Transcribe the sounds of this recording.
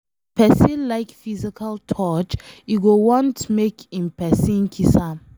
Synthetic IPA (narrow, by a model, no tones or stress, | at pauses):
pʰɛsĩnlaɪkfizikʰaltʰɔt͡ʃjuɡowɔ̃ntmekĩnpɛsĩnkʰisa